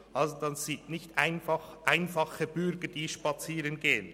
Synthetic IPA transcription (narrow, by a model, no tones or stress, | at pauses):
ʔɑlzod̥ɑnsɪtnɪçtaɪnfɑχʔaɪnfɑχəbʏɾɡəd̥iːʃpɑt͡siːɾənɡeːən